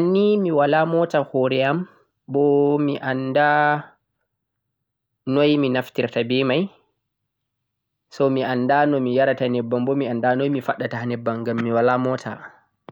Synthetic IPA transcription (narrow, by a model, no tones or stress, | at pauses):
anːimiwalamɔtahɔɾɛam | bɔmiʔanda | nɔjminaftiɾtabɛmaj | sɔmianːdanɔmijaɾatanɛbːambɔmiandanɔjmifaɗːatahnɛbːaŋɡamːiwalamɔtʰa̰